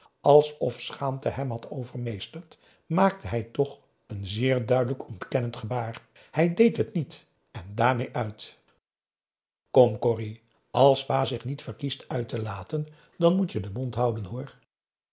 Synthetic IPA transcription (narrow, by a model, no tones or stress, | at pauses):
ʔɑlˠsɔfsχaːmtəɦɛmɦɑtowvəɹmejstəɹt | maːk̚təɦɛjtɔχ | ənzɪːɹdœɥdələkɔntkɛnəntχəbaːr | hɛjdejtɦətnit | ɛndaːɹmejʔœɥt | kɔmkɔri | ɑlˠsʋaːzɪχnitfəɹkistœɥtəlaːtən | dɑnmutjədəmɔntɦʌwdənɦʊːɹ